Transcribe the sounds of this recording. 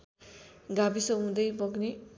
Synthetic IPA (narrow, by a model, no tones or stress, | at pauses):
ɡabisʌɦũd̪ʌjbʌɡne